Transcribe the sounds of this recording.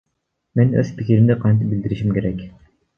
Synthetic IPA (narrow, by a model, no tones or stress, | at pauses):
menø̰z̥pikʲiɾimd̪ɪqʰɑnt̪̬ɪp̚bild̪iɾiʃimkʲe̞ɾɛkʲ